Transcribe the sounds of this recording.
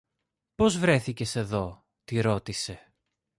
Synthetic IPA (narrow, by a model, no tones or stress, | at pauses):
po̞zvɾe̞θice̞se̞ðo̞ | t̪iɾo̞t̪ise̞